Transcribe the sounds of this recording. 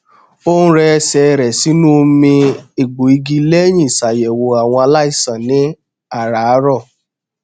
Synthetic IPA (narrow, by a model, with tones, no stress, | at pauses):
o˦nũ˦ɾɛ˧sɛ˧ɾɛ˨si˨˦nũ˦˧mĩ˧e˨ɡ͡bo˨i˧ɡi˧le˦j̃ĩ˦˨sa˨jɛ˨wo˨a˨w̃ɔ̃˧a˧la˦i˦˨sã˨nĩ˨˦ | a˦˨ɾa˨˦ɾɔ˦˨